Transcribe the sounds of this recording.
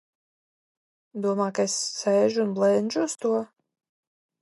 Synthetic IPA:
d̪uɔmaːkaesːɛːʒuːnblˠɛnʲd͡ʒuːst̪uɔ

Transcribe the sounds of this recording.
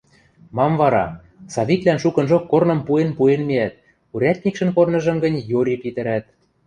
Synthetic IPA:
mɑmvɑɾɑ̰ | sɑβʲik̪lænʃukɤ̆nʒokːornɤ̆mpuenpuenmeæt̪̚ | uɾʲæt̪ʲnʲikʃə̆npornɤ̆ʒɤ̆mɡə̆nʲjoɾʲipit̪ə̆ɾæt̪̚

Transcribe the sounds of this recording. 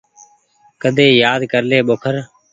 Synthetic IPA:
kəd̪ʱeːjaːd̪kəɾleːɓoːkʰəɾ

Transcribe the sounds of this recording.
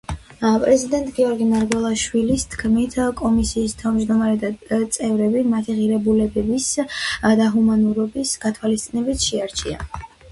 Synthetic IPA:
pʼɾɛzid̪ɛnt̪ʼɡiɔɾɡimaɾɡwɛlˠaʃwilist̪ʰkʰmit̪ʰkʼɔmisiːst̪ʰavmd͡ʒd̪ɔmaɾɛd̪at̪sʼɛvɾɛbimat̪ʰiʁiɾɛbulɛbɛbisd̪aɦumanuɾɔbisɡ̥at̪ʰwalist̪sʼinɛbit̪ʰʃɛaɾt͡ʃʰia̰

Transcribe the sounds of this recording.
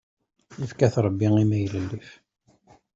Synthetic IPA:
ifkæθɾˤəbːiŋimæjləlːif

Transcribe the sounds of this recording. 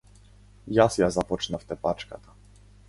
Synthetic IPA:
jasjazapɔt͡ʂnaft̪ɛpat͡ʂka̰t̪ḁ

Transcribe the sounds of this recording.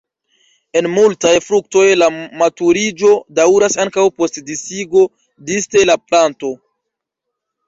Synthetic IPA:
e̞nmultajfɾuk̚to̞jlamatuɾid͡ʒo̞dawɾasaŋkawpo̞stdisiɡo̞ | diste̞laplanto̞

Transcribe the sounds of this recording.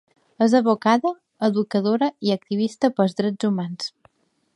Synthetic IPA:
əzəβukaðəː | ðukəðoɾəiək̚t̪iβ̞ist̪əpəlˠzðɾɛd͡zumans

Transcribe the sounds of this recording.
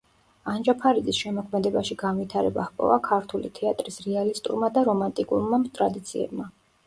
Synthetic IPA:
and͡ʒapʰaɾid̪zisʃɛmɔkʰmɛd̪ɛbaʃiɡanvit̪ʰaɾɛba̰hpʼɔ̰vakʰaɾt̪ʰulḭt̪ʰɛat̪ʼɾisɾɛalist̪ʼṵɾmad̪aɾɔmant̪ʼikʼuɾmamt̪ʼɾad̪it̪sʰiɛ̰bma

